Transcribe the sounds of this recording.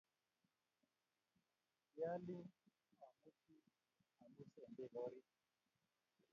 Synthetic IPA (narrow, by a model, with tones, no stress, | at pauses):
ja˦li˦ | a˨mu˦kʰi˦ | a˨mu˦sɛ˨mbɛ˦˨ɣɔ˦ɾi˦